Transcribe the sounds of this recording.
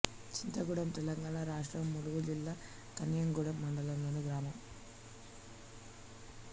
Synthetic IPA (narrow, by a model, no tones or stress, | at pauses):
t͡ʃind̪ɾɐɡuɽɐmt̪ɛlɐŋɡaːɳɐɾaːʂʈrɐmːuluʋuld͡ʒilːɐ | k̪ɐnjɐŋɡuɽɐmːɐɳɖɐlɐmlɐnuɡɾaːmɐm